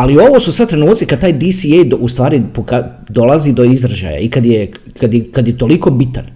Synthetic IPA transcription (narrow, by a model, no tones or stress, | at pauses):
alio̞ʋosusad̪̚t̪ɾe̞nuːt̪sikad̪t̪aːjd̪isiejd̪oust̪ʋaːɾipoka | d̪o̞lˠaziːd̪o̞izɾaʒa̰ːja̰ikad̪je | kad̪jkad̪jet̪o̞liko̞ːbit̪a̰n